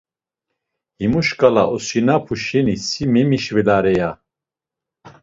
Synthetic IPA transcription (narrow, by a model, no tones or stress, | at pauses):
himuʃkʼalaʔɔsinapʰuʃɛnisimɛmiʃvɛlaɾɛja